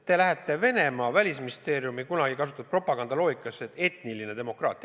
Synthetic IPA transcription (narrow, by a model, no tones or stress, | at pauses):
t̪e̞læɦet̪ːˑe̞ve̞ne̞mɑːvælʲisminist̪e̞ːɾiumikunɑɡikɑs̬u̥t̪ːˑɑd̪̚pro̞pːˑɑɡɑnd̪ɑlo̞ːikːˑɑsːet̪e̞t̪niline̞d̪e̞mo̞krɑ̰ːt̪ːˑi